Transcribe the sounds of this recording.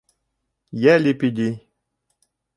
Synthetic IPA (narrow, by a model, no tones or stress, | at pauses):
jɛlipid̪i